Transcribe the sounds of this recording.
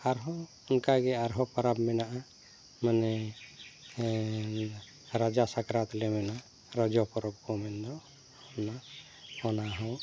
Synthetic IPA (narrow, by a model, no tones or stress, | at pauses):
aɾɦɔ | ʊnkaɡɛaɾɦɔpaɾabmɛnaʔa | manɛ | ɾad͡ʒasakɾat̪lɛmɛna | ɾɔd͡ʒɔpɔɾɔb̚kɔmɛnd̪ɔ | ɔna | ɔnaɦɔw